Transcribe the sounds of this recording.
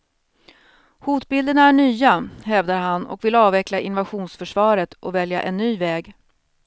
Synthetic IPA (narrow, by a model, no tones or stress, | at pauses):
huːt̪bɪld̪ənaæɳyːahɛvd̪aɾɦanɔ̰kvɪlɑːvɛklaʔɪnʊvaɧuːnsfœʂvɑːɾət̪ʔɔvɛlja̰ʔɛnːyːvɛːɡ